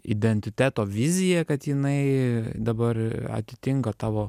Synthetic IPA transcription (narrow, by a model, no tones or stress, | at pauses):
ɪ̰d̪ʲɛnʲt̪ʲɪt̪ʲæːt̪oːʋʲɪzʲɪjɛkɐt̪jɪnɐɪd̪ɐbɐrɐ̰t̪ʲɪt̪ʲɪŋkɐt̪ɑːʋoː